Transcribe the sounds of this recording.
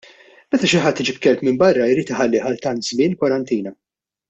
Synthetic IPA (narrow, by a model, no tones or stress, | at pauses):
mɛt̪ɐʃɪħɐt̪ːɪd͡ʒipkɛlpmɪmbɐrːɐɪɾiːt̪ɪħɐlːɪːħɐlt̪ɐnt̪zmɪːnkwɐɾɐnt̪iːnɐ